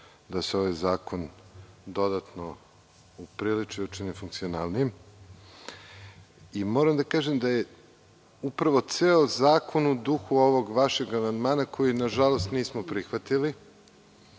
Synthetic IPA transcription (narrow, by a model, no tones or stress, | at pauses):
d̪aseo̞ʋajzaːko̞nd̪o̞d̪at̪no̞ | upɾilit͡ʃiut͡ʃinifuŋkt̪sionaːlˠnijem | imo̞ːɾamd̪akaːʒemd̪aje | upɾaʋo̞t̪seozaːkʰo̞nud̪uxuo̞ʋo̞ɡʋaʃe̞ɡamand̪maːnakʰo̞jinaʒalo̞st̪niːsmopɾixʋat̪ili